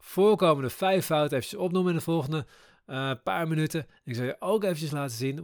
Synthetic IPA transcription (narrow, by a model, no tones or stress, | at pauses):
fʊːɹkowməndəfɛjfɔwtəevncəsɔpnuməɪnəfɔlˠχəndə | pa̰ːɹmənytə | nɪksɑlˠjəʔowkejvəncəslaːtəzin